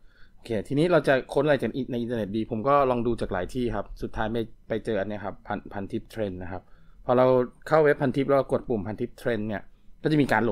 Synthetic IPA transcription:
ʔoː˧˩kʰeː˧t̪ʰiː˧niː˦˥ɾa˧wt͡ɕa˨˩kʰo˦˥nʔa˧˨a˧˩t͡ɕa˨˩kʔi˧na˧jʔi˧t̪ːne˨˩t̪̚diː˧pʰo˩˦mkɔː˥˩lɔː˧ŋduː˧t͡ɕaː˨˩k̚la̰ː˩˦jt̪ʰiː˥˩kʰa˦˥p̚su˨˩t̪ʰːaː˦˥jma˧jpa˧jt͡ɕɤː˧ʔa˧nːi˦˥ɐkʰa˦˥pʰːa˧npʰa˧nt̪ʰi˦˥p̚t̪ʰɾe˧nːa˦˥kʰa˦˥p̚ʰːɔː˧ɾa˧wkʰa˥˩we˦˥p̚ʰːa˧nt̪ʰi˦˥p̚lɛ˦˥wa˥˩ko˨˩t̪̚pu˨˩mpʰa˧nt̪ʰi˦˥p̚t̪ʰɾe˧nːi˥˩ɐkɔː˥˩t͡ɕa˨˩miː˧kaː˧nlo˨˩

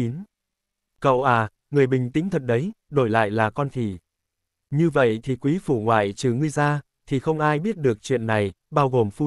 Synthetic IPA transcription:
i˨˦n | kə̰˧˨wʔaː˨˩ | ŋɨ˨˩əjɓï˨˩ŋ̟t̪ï˨˦ŋt̪ʰə˨˩t̚ɗə˨˦j | ɗo˧˩jla̰ː˧˨jlaː˨˩kɔ˧nt̪ʰi˧˩ | ɲɨ˧və̰˧˨jt̪ʰi˨˩kwi˨˦fu˧˩ŋwa̰ː˧˨jt͡ɕɨ˨˩ŋɨ˧əjzaː˧ | t̪ʰi˨˩xə˧wŋ͡mʔaː˧jɓi˦˥ət̚ɗɨ˨˩ək̚t͡ɕwḭ˧˨ənːa˨˩j | ɓaː˧wɣo˨˩mfu˧

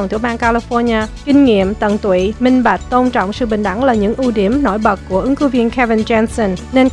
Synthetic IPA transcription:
ŋt̪ʰi˧˩ɓaː˧ŋkaː˧li˧fɔ˧ɲaː˧kï˧ŋ̟ŋḭ˧˨əmt̪ə̰˧˨nt̪wḭ˧˨mï˧ŋ̟ɓa˨˩k̟̚t̪o˧nt͡ɕɔ̰˧˨wŋ͡msɨ̰˧˨ɓï˨˩ŋ̟ɗa˧˩ŋlaː˨˩ɲɨ̰˧˥ŋʔu˧ɗi˧˩əmno̰˧˩jɓə˨˩k̚kːu˧˩əʔɨ˨˦ŋkɨ˨˦vi˧ənkɛ˧vi˧nt͡ɕɛ˧nsə˧nne˧n

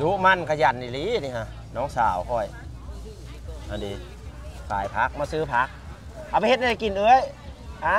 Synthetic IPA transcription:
du˧˦ma˧˨nkʰa˧˨ja˧˩nːi˧˩liː˧˦ni˧ha˧˩ | nɔː˧˥˨ŋsa̰ː˨˩whɔː˧˩j | ha˧˩diː˨˧˦ | fa̰ː˨˩jpʰa˧˦˥k̚maː˧sɯː˧˨pʰa˧˦˥k̚ | ʔa˨˧˩pa˧jhe˧t̪̚na˧a˧ki˨nʔɯː˧˦ə˨j | ʔa˧˦

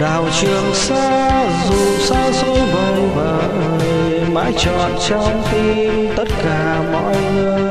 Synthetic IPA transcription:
ɗaː˨˩wt͡ɕɨ˨˩əŋsaː˧˥ | zu˨˩saː˧so˧˦və˨˩wvəː˨˩ | ə˧˩j | ma̰ː˧˥jt͡ɕɔ̰˧˨˩n̚t͡ɕɔ˧ŋ͡mt̪i˧ | mt̪ə˦˥t̚kaː˧˩ | mɔ̰˧˥j | ɨ˧

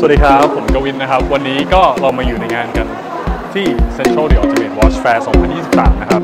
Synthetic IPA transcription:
ssdiː˧kʰa˦˥ppʰːo˩˦nkɾa˧wi˦˥nna˦˥kʰa˦˥p̚wa˧nːiː˦˥kɔː˥˩ɾa˧wmaː˧juː˨˩na˧jŋaː˧nka˧n | t̪ʰiː˥˩se˧nt̪ʰɾa˥˩di˧˥ʔɔ˧˩t̪i˧me˨˩t̚wɔː˦˥t͡ɕfɛː˧sɔː˩˦ŋpʰa˧njiː˥˩i˨˩p̚sa̰ː˨˩˦mna˦˥kʰa˦˥p̚

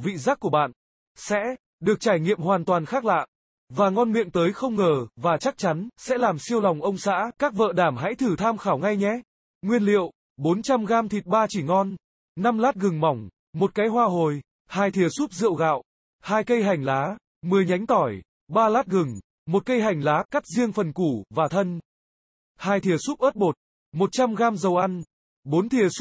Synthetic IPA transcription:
vḭ˧˨zaː˦˥k̚kːu˧˩əɓa̰ː˧˨n | sɛ̰˧˥ | ɗɨ˨˩ək̚t͡ɕaː˧˩jŋḭ˧˨əmhwaː˨˩nt̪waː˨˩nxaː˦˥k̚la̰ː˧˨ʔ | vaː˨˩ŋɔ˧nmḭ˧˨ənt̪əː˨˦jxə˧wŋ͡mŋəː˨˩vaː˨˩t͡ɕa˦˥k̚t͡ɕa˨˦nsɛ̰˧˥laː˨˩msi˧əwla˨˩wŋ͡mʔə˧wŋ͡msa̰ː˧˥kaː˦˥k̚və̰ː˧˨ɗaː˧˩mɦa̰˧˥jt̪ʰɨ˧˩t̪ʰaː˧mxaː˧˩wŋa˧jɲɛ˧˦ | ŋwi˧ənlḭ˧˨əw | ɓo˨˦nt͡ɕa˧mɣaː˧mt̪ʰi˨˩t̚ɓaː˧t͡ɕi˧˩ŋɔ˧n | na˧mlaː˦˥t̚ɣɨ˨˩ŋmɔ˨˧˩wŋ͡m | mo˨˩t̚kaː˨˦jɦwaː˧ɦo˨˩j | haː˧jt̪ʰi˨˩əsu˦˥p̚zɨ̰˧˨əwɣa̰ː˧˨w | haː˧jkə˧jɦa˨˩jŋ̟laː˨˦ | mɨ˨˩əjɲa˨˦jŋ̟t̪ɔ˧˩j | ɓaː˧laː˦˥t̚ɣɨ˨˩ŋ | mo˨˩t̚kə˧jɦa˨˩jŋ̟laː˨˦ka˦˥k̚zi˧əŋfə˨˩nku˧˩vaː˨˩t̪ʰə˧n | haː˧jt̪ʰi˨˩əsu˦˥p̚ʔəː˦˥t̚ɓo˨˩t̚ | mo˨˩t̚t͡ɕa˧mɣaː˧mzə˨˩wʔa˧n | ɓo˨˦nt̪ʰi˨˩əs

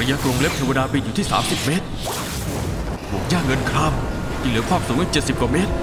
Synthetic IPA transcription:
jaː˧˥˩kɾo˧ŋle˦˥pt̪ʰe˧wa˧ɗaː˧ɓi˧˩ʔuː˨˩t̪ʰiː˥˩sa̰ː˩˦msi˨˩p̚meː˦˥t̪̚ | hu˨˩k̚zaː˧˩ŋːə˧nkʰɾaː˧m | t̪i˧˩ŋlɯ˨˦kʰwaː˥˩p̚suː˨˩˦ŋʔaː˧˩t͡ɕːt̪̚si˨˩p̚kɔ˧meː˦˥t̪̚

